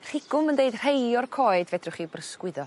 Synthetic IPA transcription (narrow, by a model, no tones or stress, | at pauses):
r̥ɪɡ̥ʊməndeɨd̥r̥ejɔrkʰɔːɨdvɛd̥rʊχibrəskwɪðɔ